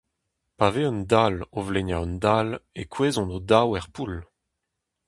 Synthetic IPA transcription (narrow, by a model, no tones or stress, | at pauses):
paveɔnd̪alovleɲjaɔnd̪alekweːzɔ̃nod̪awɛʁpul